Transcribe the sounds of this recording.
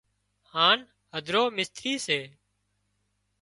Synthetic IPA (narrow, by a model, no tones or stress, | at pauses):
haːn | həd̪ʱɾoːmɪst̪ɾiːseː